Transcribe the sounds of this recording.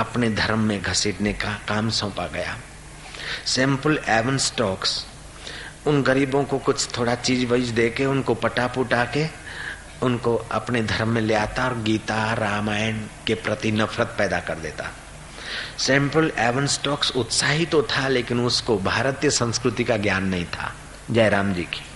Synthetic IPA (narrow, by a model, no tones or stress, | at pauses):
ɐpned̪ʱɐɾmːẽɡʱɐsɪːʈnekakaːmsɔ̃ːpaɡɐja̰ː | sɛ̃ːmpəlɛːʋənsʈɔːks | ʊnɡəɾiːbõkokʊt͡ʃʰt̪ʰoːɽat͡ʃiːzbəɪd͡ʒd̪eːkeʊnkopɐʈapʊʈaːke | ʊnkoɐ̰pned̪ʱɐɾmːẽleaːt̪aɔːɾɡiːt̪aɾaːmaːjənkepɾɐt̪inɐfʰɾət̪̚pɛːd̪akɐɾd̪eːt̪a̰ | sɛ̃ːmpəlɛːʋənsʈɔːksʊt̪saːɦit̪ot̪ʰaleːkɪnʊskobʱaːɾət̪jəsə̃nskɾʊt̪ikaɡjaːnːɐɦĩt̪ʰa̰ː | d͡ʒɛːjɾaːmd͡ʒiːki̥